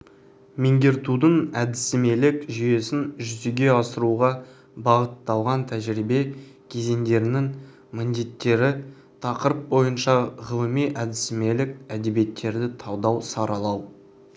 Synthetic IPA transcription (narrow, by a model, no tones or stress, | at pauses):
meŋɡʲe̞ɾt̪ud̪əɴæd̪ɪsɪme̞lɪkʒʏje̞sɪnʒʏzeɡʲe̞ɑsəɾuʁɑ | bɑʁət̪ːɑlˠʁɑnt̪ʰæʒɾibe̞kʲʰe̞ze̞ŋd̪e̞ɾɪnɪŋ | mɪnd̪e̞t̪ːe̞ɾɪ | t̪ʰɑqəɾəp̚bo̞jənʃɑʁəlˠəmijʔæd̪ɪsɪme̞lɪkæd̪e̞bije̞t̪ːe̞ɾd̪ɪt̪ʰɑwd̪ɑwsɑɾɑlˠɑw